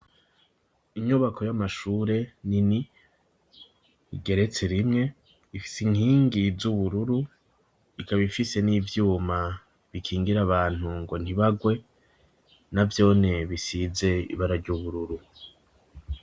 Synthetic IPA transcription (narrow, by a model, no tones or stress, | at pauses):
iɲuβakʰo̞jamaʃuːɾe̞nini | ḭɡe̞ɾe̞t͡se̞ɾimŋe̞ | ifi̥siŋhiːŋɡizuβuɾuɾu | ikaβifise̞niːvjuːma | βikʰiːŋɡiɾaβaːn̥huŋɡo̞n̥iβaɡwe̞ | navjo̞ːne̞βisize̞ḭβaɾaɾɟuβuɾuɾu